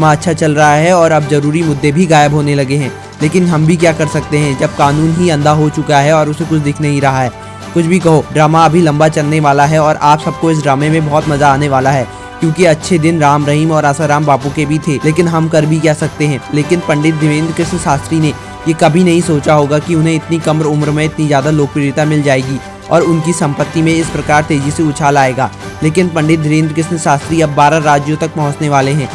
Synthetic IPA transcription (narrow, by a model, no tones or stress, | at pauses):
maɐtːʃʰat͡ʃɐlɾɐɦaɦɛɔːɾɐbzɐɾuːɾimʊd̪ːebʱiɡaːjəbɦoːnelɐɡeɦɛ̃ː | leːkɪnɦɐmbʱik̬jaːkɐɾsɐk̚t̪eɦɛ̃d͡ʒɐb̚kaːnuːnɦiɐ̃nd̪ʱaɦot͡ʃʊkaɦɛɔːɾʊsekʊt͡ʃʰd̪ɪkʰnɐɦĩɾɐɦaɦɛː | kʊt͡ʃʰbʱikɐɦoɖɾaːmaɐbʱilɐ̃mbat͡ʃɐlneʋaːlaɦɛɔːɾʔaːpsɐb̚koɪs̬ɖɾaːmemẽbɔːt̪mɐzaaːneʋaːlaɦɛː | kjõːkiɐtːʃʰed̪ɪnɾaːmɾɐɦiːmɔːɾaːsaɾaːmbaːpõkebʱit̪ʰeːleːk̬ɪnɦɐmkɐɾbʱikɛɦsɐk̚t̪eɦɛ̃leːkɪnpɐ̃ɳɖɪt̪̚d̪ʱɪʋẽːnd̪ɾəkɾɪʃməʃaːst̪ɾine | jekɐbʱinɐɦĩsoːt͡ʃaɦoːɡakiʊnɦẽɪt̪nikɐmɾʊmɾmẽɪt̪nizjaːd̪aloːk̚pɾɪːɾɪt̪amɪld͡ʒaːeːɡi | ɔːɾʊnkisɐ̃mpət̪ːimẽɪspɾɐkaːɾt̪eːd͡ʒiseʊt͡ʃʰaːlaːeːɡaːleːkɪnpɐ̃ɳɖɪt̪̚d̪ʱɪʋẽːnd̪ɾəkɾɪʃmʃaːst̪ɾiɐbːaːɾaɾaːd͡ʒjõt̪ɐk̚pɐɦʊ̃t͡ʃneʋaːleɦɛ̃ː